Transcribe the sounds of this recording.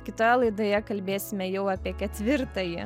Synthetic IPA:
kʲɪt̪ojɛlˠɐɪd̪oːjɛkɐlʲbʲeːsʲɪmʲɛjɛʊɑːpʲiɛkʲɛt̪ʲʋʲɪɾt̪ɐjɪ̰

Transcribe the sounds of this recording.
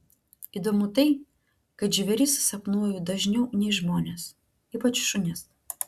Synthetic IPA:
iːd̪oːmʊt̪ɐɪ | kɐɪd͡ʒʲɪʋʲɛɾʲiˑssɐpnuɔjʊd̪ɐʒʲnʲɛʊnʲɛɪʒmoːnʲes | iːpɐt͡ʃʃʊnʲɛs

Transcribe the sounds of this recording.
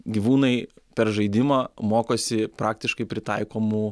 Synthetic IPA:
ɡʲiʋuːnɐɪpʲɛɾʒɐɪd̪ʲɪmɐːmoːkoːsʲɪpɾɑːk̚t̪ʲɪʃkɐɪpʲɾʲɪt̪ɐɪkoːmu

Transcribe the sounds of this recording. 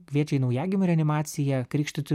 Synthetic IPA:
kʋʲiɛt͡ʃʲɛɪnɐʊjæːɡʲɪmʲʊɾʲɛɐnʲɪmɑːt̪sʲɪjɛkɾʲiːkʃʲt̪ʲʊt̪ʲɪ

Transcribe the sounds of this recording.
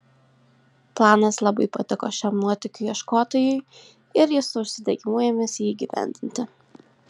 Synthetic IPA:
plˠɑːnɐslˠɐbɐɪpɐt̪ʲɪkoːʃʲɛmnuɔt̪ʲɪkʲʊjiɛʃkoːt̪oːjʊɪ | ɪɾjɪsʊʊʃʲsʲɪd̪ʲɛɡʲɪmuːjɛmʲeːsʲjiːiɡʲiʋʲæ̰ˑnʲd̪ʲɪnʲt̪ʲɪ

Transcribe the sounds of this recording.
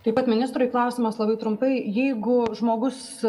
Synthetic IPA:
t̪ɐɪpɐt̪mʲɪnʲɪst̪ɾʊɪklˠɐʊsʲɪmɐslˠɐbɐɪt̪ɾʊmpɐɪjɛɪɡʊʒmoːɡʊs

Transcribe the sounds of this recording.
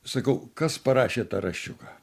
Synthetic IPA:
sɐkɐʊkɐspɐɾɑːʃʲeːt̪ɐɾɐʃʲt͡ʃʲʊkɑː

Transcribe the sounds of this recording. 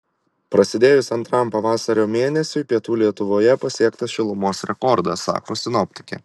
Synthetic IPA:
pɾɐsʲɪd̪ʲeːjʊsɐnt̪ɾɐmpɐʋɑːsɐɾʲoːmʲeːnʲɛsʲʊɪpʲiɛt̪uːlʲiɛt̪ʊʋoːjɛpɐsʲiɛkt̪ɐsʃʲɪlˠʊmoːsɾʲɛkɔɾd̪ɐsːɑ̰ːkoːsʲɪnɔpʲt̪ʲɪ̥kʲḛ

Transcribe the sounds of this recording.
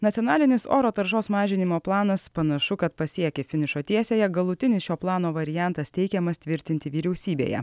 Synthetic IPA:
nɐt̪ʲjɔːnɑːlʲɪnʲɪso̰ːɾoːt̪ɐɾʃoːsmɑːʒʲɪnʲɪmoːplˠɑːnɐspɐnɐʃʊkɐt̪̚pɐsʲiɛkʲɛfʲɪnʲɪʃoːt̪ʲiɛsʲeːjɛɡɐlˠʊt̪ʲɪnʲɪsʃʲoːplˠɑːnoːʋɐɾʲɪjænt̪ɐst̪ʲɛɪkʲɛmɐst̪ʲʋʲɪɾʲt̪ʲɪnʲt̪ʲɪʋʲiːɾʲɛʊsʲiːbʲḛːjɛ̰

